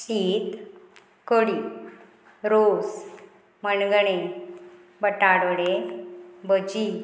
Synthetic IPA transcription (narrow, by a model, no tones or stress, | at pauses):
siːt̪ | kəɽi | ɾos | mənɡɳe | bəʈaɽəɽe | bəd͡ʑi